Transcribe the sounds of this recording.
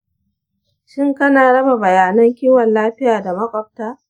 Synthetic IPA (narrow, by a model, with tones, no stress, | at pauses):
ʃɪ˦ŋkɐ˦naː˨ɽɐ˦ba˨bɐ˨jaː˨nɐ˦ŋkʲiː˦wɐ˨nlaː˦ɸɪ˦jaː˨da˨mɐ˦kʷʼɔ˨p̚taː˦